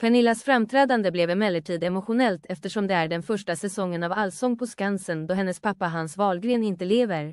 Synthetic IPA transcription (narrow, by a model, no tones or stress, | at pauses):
pʰɛnɪlːasfɾamt̪ʰɾɛːd̪and̪əblɛvɛmɛlːəʈʰiːd̪ɛmʊɧʊnɛlt̪ɛft̪əʂɔmd̪ɛæɖɛnfœʂʈasɛsɔŋːənavalsɔŋːpʰɔskansənd̪ɔɦɛnːəspʰapːaɦansvɑːlɡɾeːnɪnt̪əleːvəɾ